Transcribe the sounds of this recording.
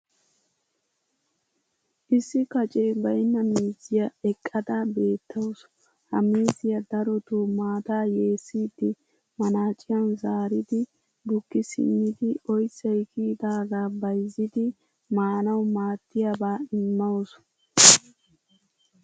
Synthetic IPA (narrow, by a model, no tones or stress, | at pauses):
ʔɪsːɪkɐt͡ʃʼɛjbɐjɪnːɐmiːzɪjɐɛkʼːɐd̪abe̞ːt̪ːɐwɔsʊ | hɐ̰miːzɪjɐd̪ɐɾɔt̪uːmaːt̪aːje̞ːsːiːd̪ɪ | mɐnaːt͡ʃʼɪjɐnzaːɾɪd̪ɪ | b̪ʊkːɪsɪ̰nːɪd̪ɪʔɔjsɐjkiːd̪aːɡaːbɐjzɪd̪ɪ | maːnɐwmaːt̪ːɪjabaːɪmːɐwɔsʊ̥